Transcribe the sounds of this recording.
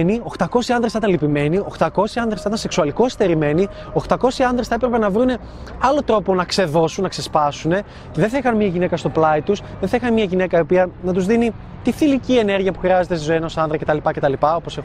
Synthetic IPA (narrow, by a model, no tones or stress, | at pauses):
nio̞xt̪ɐko̞siɐnðɾesθɐt̪ɐ̃lipime̞nio̞xt̪ɐko̞siɐnd̪ɾesɐt̪ɐnseksuɐliko̞est̪e̞ɾime̞ni | oxt̪ɐko̞siɐnd̪ɾesθɐepɾe̞pe̞nɐvɾune̞ | ɐlo̞t̪ɾo̞po̞nɐkse̞ðo̞sunːɐkse̞spɐsune̞ | ce̞ðenθɐixɐnmɲɐʝine̞kɐst̪o̞plɐit̪usðenθɐixɐnemɲɐʝine̞kɐiopiɐnɐt̪uzðini | t̪ifilicie̞ne̞ɾʝiɐpuxɾiɐzet̪est̪izoenosɐnðɾɐce̞t̪ɐlipɐcet̪ɐlipɐo̞po̞se